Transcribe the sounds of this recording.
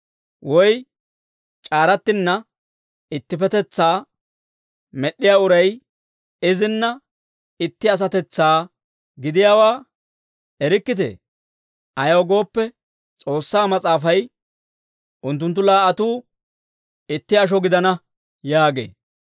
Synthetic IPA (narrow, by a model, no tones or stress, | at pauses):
wɔj | t͡ʃʼaːɾɐt̪ːɪnːɐ | ɪt̪ːɪfɛt̪ɛt͡sːaː | mɛɗːɪjaːʊɾɐj | ɪzɪnːɐ | ɪt̪ːɪɐs̬ɐt̪ɛt͡sːaː | ɡɪd̪ɪjaːwaː | ɛɾɪkːɪt̪̬ḛ | ʔɐjɐwɡo̞ːpːɛ | t͡sʼo̞ːsːaːmɐt͡sʼaːfɐj | ʔʊnt̪̬ːʊnt̪̬ːʊlaːʔɐt̪uː | ɪt̪ːɪɐʃ̬ɔɡɪd̪ɐnɐ | jaːɡḛː